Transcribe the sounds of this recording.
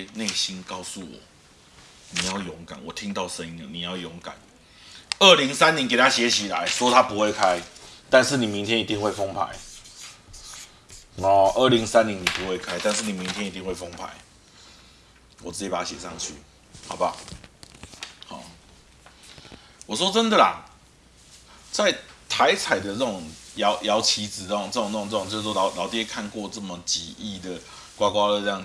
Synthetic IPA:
ne˥˨ɪɕi˦nka˥˧ʊsu˥˨˩wɔ̰˨˩˦ | ni˨˩ja˥˩ʊjɔ˨˦ŋka̰˨˦nwɔ˨˩t̪ʰi˦˥ŋt̪aɑ˥˨ʊʂə˦ni˧˥nə˨nĩ˨˩ja˥˩ʊjɔ˨˦ŋka̰˨˩˦n | ə˥˩li˧˥ŋsa˦nĩ˨˦ŋke˨˩t̪ʰa˦ɕjɛ˨˦t͡ɕʰi˨la̰˨˦ɪswɔ˦t̪ʰa˦pu˨˦hwe˥˨ɪkʰa˦ɪt̪a˥˧nʂ̩˥˨ni˨˩mi˨˦ŋt̪ʰjɛ˦ni˨˧t̪i˧ŋxwe˥˩ɪfɔ˦ŋpʰa̰˨˦ɪ | ɔ˨˩ʔə˥˩˨li˨˧˦ŋsa˦nːi˨˦ŋnĩ˨˩pu˨˦hwe˥˩ɪkʰa˦ɪt̪a˥˧nʂ̬̩˥˨ni˨mi˨˦ŋt̪ʰjɛ˦˥ni˨˧t̪i˥˧ŋhwe˥˩fɔ˦ŋpʰa̰˨˦ɪ | wɔ˨˩t͡sɹ̩˥˩t͡ɕi˨˩pa˨˩a˦ɕjɛ˨˩ʂɑ˥˧ŋt͡ɕʰy̰˥˩ | hɑ˨˩ʊba˦ | hɔ̰˨˩ | wɔ˨˩ʂwɔ˥t͡sə˦nd̪ə˨la̰˨˩ | t͡sa˥˩ɪt̪ʰa˧˦ɪt͡sʰa˨˩ɪd̪ə˨t͡sə˥˩t͡sʊ˨˩ŋjɑ˨˧˦ʊjɑ˧˥ʊt͡ɕʰi˧˥d͡zɹ̩˨˩t͡sə˥˩o˨˦ŋt͡sə˥˩ʊ˨ŋt͡sə˥˩o˨ŋt͡sɤ˥˩˨ŋt͡ɕjwɔ˥˩˨ʊlɑ˨˦ʊt̪i˥kʰa˥˧nkwɔ˥˧t͡sə˥˩mə˨˩t͡ɕi˨˩i˥˩d̪ə˩ | kwa˥kwa˥˦lə˥˩˥jɑ˥˨ŋ

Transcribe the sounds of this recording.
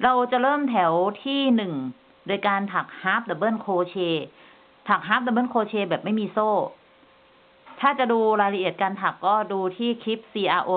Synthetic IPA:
ɾa˧wt͡ɕa˨˩ɾɤː˥˩mt̪ʰɛ˩˦wt̪ʰiː˥˩nɯ˨˩ŋ | doː˧jkaː˧nt̪ʰa˨˩k̚haː˦˥p̚lɛ˨˩bɯː˥˩nkʰoː˧t͡ɕʰeː˧ | t̪ʰa˨˩k̚ɦaː˦˥p̚lɛː˨˩bɤː˥˩˨nkʰoː˧t͡ɕʰeː˧bɛː˨˩p̚ma˥˩jmiː˧soː˥˩ | t̪ʰaː˥˩t͡ɕa˨˩duː˧ɾaː˧jɾa˧ʔi˨˩ət̪̚kaː˧nt̪ʰa˨˩kːɔː˥˩duː˧t̪ʰiː˥˩kʰi˦˥p̚siː˧ʔaː˧ʔoː˧

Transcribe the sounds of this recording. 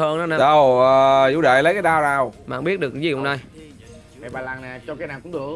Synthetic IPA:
həː˧na˨˦n˨˧˨ɗə˨˧˩wːzṵ˧˥ɗḛ˧˨lə˨˦jkaː˨˦ɗaː˧wnaː˨˩wma̰ː˧˨ŋ͡mɓi˦˥ət̚ɗkːzi˨˩ʔʊ˨wŋ͡mnaː˧j | a˨ɓaː˨˩laː˨˩naː˨˩t͡ɕɔ˧kaː˨˦jnaː˨˩ŋ͡mkʊ̰˧˦ŋ͡mɗɨ˨˩ə

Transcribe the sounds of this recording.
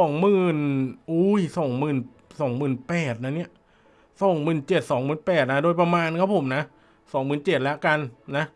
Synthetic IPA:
sɔː˨˩˦ŋmɯː˨˩nʔuː˦˥jsɔː˨˩˦ŋmɯː˨˩n | sɔː˩˦ŋmɯː˨˩npɛː˨˩t̪̚na˧˥˩ni˦˥ɐʔ | sɔː˨˩˦ŋmɯː˨˩nt͡ɕe˨˩t̪̚sɔː˩˦ŋmɯː˨˩npɛː˨˩t̪̚na˦˥doː˧jp̬ɾa˧maː˧nkʰaː˦˥˩wpʰo˩˦mna˦˥ | sɔː˩˦ŋmɯː˨˩nt͡ɕe˨˩t̪̚lɛ˦˥ka˧nːa˦˥

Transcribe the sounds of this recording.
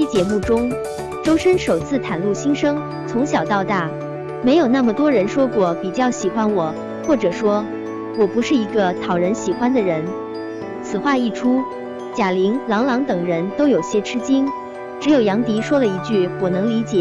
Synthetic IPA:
i˥t͡ɕjɛ˧˨˥mu˥˩ʈ͡ʂʊ˥ŋ | ʈ͡ʂo˥ʊʂə˥nʂo˨˩ʊt͡sʰɹ̩˥˩t̪ʰa˨˩nlu˥˩ɕi˥ŋʂɤ˥ŋ | t͡sʰʊ˧˥ŋɕ̬jɑ˨˩ʊt̪ɑ˥˧ʊt̪a˥˩ | me˧˥ɪjo˨˩ʊna˥˩mə˨˩t̪wɔ˥ɻə˧˥nʂwɔ˥kwɔ˥˩pi˨˩t͡ɕjɑ˥˩ʊɕi˨˩xwa˥nwɔ˨˩˦ | xwɔ˥˩ʈ͡ʂɤ˨˩ʂwɔ˥ | wɔ˨˩pu˧˥ʂɻ̩˥˩i˧˥ɡə˧t̪ʰɑ˨˩ʊɻə˧˥nɕi˨˩xwa˥nd̪ə˨ɻə˧˥n | t͡sʰɹ̩˨˩xwa˥˧i˥˩ʈ͡ʂʰu˥ | t͡ɕja˨˩li˧˥ŋlɑ˧˥ŋlɑ˧˥ŋt̪ɤ˨˩ŋɻə˧˥nt̪o˥ʊjo˨˩ʊɕjɛ˥ʈ͡ʂʰɻ̩˥t͡ɕi˥ŋ | ʈ͡ʂɻ̩˧˥jo˨˩ʊjɑ˧˥ŋt̪i˧˥ʂwɔ˥lə˨i˧˥t͡ɕy˥˩wɔ˨˩nɤ˧˥ŋli˧˥t͡ɕjɛ˨˩

